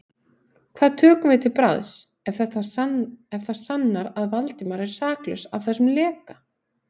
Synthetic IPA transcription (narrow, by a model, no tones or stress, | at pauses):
kʰvaːðt̪ʰœːkʏmvɪðt̪ʰɪlpɾa̰ðs | ɛfθɛt̪aɛfθað̥sanːaɾaðvalt̪ɪmaɾɛɾ̥saːklœ̰savθɛsːʏmlɛːka